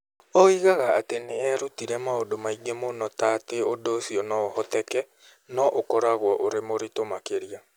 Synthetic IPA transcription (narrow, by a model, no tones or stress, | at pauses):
ɔiɣaɣaːteneɛɾutiɾɛmaodomaiɡemonɔtateodosiɔnɔːhɔtɛkɛ | nɔʔokɔɾaɣwɔʔoɾemoɾitomakeɾia